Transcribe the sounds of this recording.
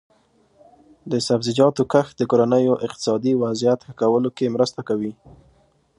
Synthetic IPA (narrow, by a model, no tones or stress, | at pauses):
d̪əsabzɪd͡ʒɑt̪okəxd̪əkoɾanəjoʔɪq̚t̪ɪ̥sɑd̪iwazijat̪xəkawəlokemɾəst̪akawi